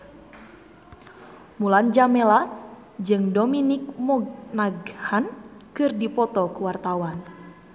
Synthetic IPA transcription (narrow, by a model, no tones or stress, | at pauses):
muland͡ʒamɛla | d͡ʒɨŋdominik̚mɔɡnaɡhankɨrdipɔt̪ɔkuwart̪awan